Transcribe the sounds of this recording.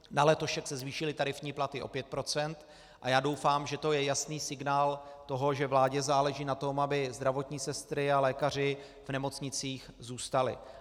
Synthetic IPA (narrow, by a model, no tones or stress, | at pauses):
nalɛt̪oʃɛksɛzviːʃɪlɪt̪aɾɪfɲiːplat̪ɪʔo̞̰pjɛt̪̚pɾo̞t͡sɛnt̪ | ʔajaːdo̞wfaːmʒɛt̪o̞jɛjasniːsɪɡnaːlt̪o̞ɦo̞ʒɛvlaːɟɛzaːlɛʒiːnat̪o̞mabɪzd̪ɾavo̞t̪ɲiːsɛst̪ɾɪalɛːkar̝ɪ | vnɛmo̞t͡sɲɪt͡siːxzuːst̪alɪ̰